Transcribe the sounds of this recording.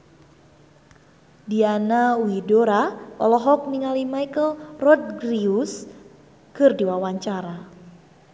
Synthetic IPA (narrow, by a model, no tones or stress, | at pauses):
dianawidoɾaɔ̰lɔɦɔk̚niŋalimajkəlrɔt̪̚ɡɾius | kɨrdiwawaɲt͡ʃaɾa